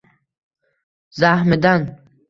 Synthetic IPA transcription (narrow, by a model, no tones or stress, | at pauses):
zahmed̪an